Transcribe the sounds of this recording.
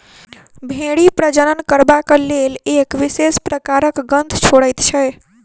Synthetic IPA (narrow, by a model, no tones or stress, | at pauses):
bʱeɽipɾəd͡ʒənənkəɾbakəlelekʋisespɾəkaɾəkɡənd̪ʱt͡ʃʰoɽəjt̪t͡ʃʰɛ